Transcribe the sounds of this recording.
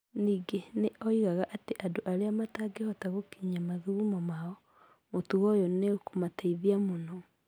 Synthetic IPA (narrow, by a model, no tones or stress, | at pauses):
niːɡeneʔɔiɣaɣaʔateʔadoʔaɾeamataɡehɔtaɣokiɲamaɣeɣumɔmaɔ | motuɣɔjɔnekomataiðiamonɔ